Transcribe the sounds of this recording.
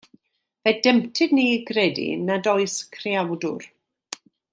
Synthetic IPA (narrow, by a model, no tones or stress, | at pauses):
v̥ɛd̥ɛmtʰɨdniɡrɛdḭnadɔɨskʰriawdʊr